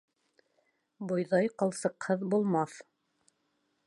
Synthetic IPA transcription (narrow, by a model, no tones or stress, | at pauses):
bujðɑjqɤ̆lˠsɤ̆qhɤðbulˠmɑθ